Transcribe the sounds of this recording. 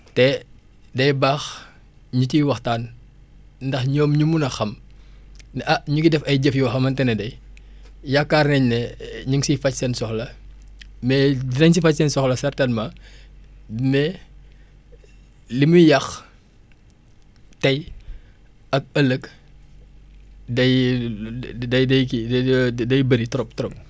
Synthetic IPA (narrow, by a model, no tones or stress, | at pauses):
tɛ | dɐjbaːx | ɲutiwɐxtaːn | ndɐxɲɔːmɲumunɐxɐm | nʔɐɲuɡidɛfɐjɟəfjuwxɐmɐntɛnɛdɐj | jakːarnɛɲnɛɲuŋsifɐcsɛnsɔxlɐ | mɛdinɐɲsifɐcsɛnsɔxlɐsɛrtɐnmɐ | mɛ | limujjɐx | tɐj | ɐk̚ɐlək | dɐj | dɐjdɐjkidɐjbɐɾitɾɔptɔɾɔp̚